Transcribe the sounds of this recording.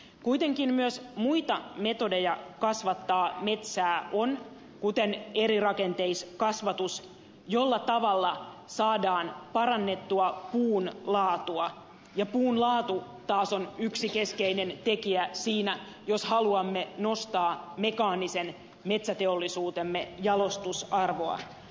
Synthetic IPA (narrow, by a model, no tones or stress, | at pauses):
kuit̪eŋkimmyøsmuit̪ɑme̞t̪odejɑkɑsʋɑt̪ːɑːmet̪sæːʔon | kut̪eneɾirɑkent̪eiskɑsʋɑt̪us | jolːɑt̪ɑʋɑlːɑsɑːdɑːnpɑrɑnːe̞t̪ːuɑpuːnlɑːt̪uɑ | jɑpuːnlɑːt̪u | t̪ɑːsonyksikeskeinent̪ekiæsiːnæ | joshɑluɑmːenost̪ɑːme̞kɑːnisen | met̪sæt̪eolːisuːt̪emːejɑlo̞st̪usɑrʋoɑ̰